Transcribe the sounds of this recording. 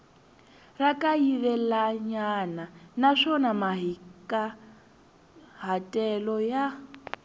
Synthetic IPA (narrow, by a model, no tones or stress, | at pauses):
rakajiβɛlaɲananaʂɔnamaɦikʼa | ɦatʼɛlɔja